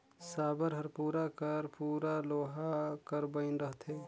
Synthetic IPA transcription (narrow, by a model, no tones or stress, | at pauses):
saːbəɾɦəɾpuːɾakəɾpuːɾaloːɦakəɾbəɪnɾəɦt̪eː